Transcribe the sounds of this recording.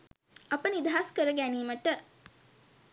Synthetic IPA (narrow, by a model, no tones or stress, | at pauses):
ɐpənid̪aɦaskəɾəɡæniːməʈə